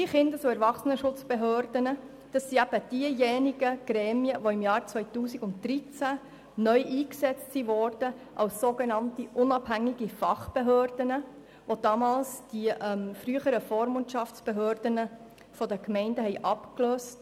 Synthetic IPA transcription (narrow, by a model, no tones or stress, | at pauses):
iχɪndət͡suɛɾʋɑχsənəʃʊt͡sb̥eɦøːɾdənə | d̥ɑsːiæb̥əd̥iəjɛniɡ̥əɡ̥ɾɛːmiəʋoɪmjɑːɾt͡sʋœjtuːsiɡʊntd̪ɾit͡sæ | nœʏʔiːksɛt͡stsiʋɔːɾd̥ə | ʔɑwsːoɡenɑntiʔʊnɑbhæŋːiɡifɑχb̥eɦøːrd̥ənə | ʋod̥̪ɑmɑːlsd̥iʔɛmfɾyːəχəɾəfoːɾmʊntʃɑft͡sb̥eɦøːɾd̥ənə | fɔdəkmɛɪndəhɛɪʔɑpkløːst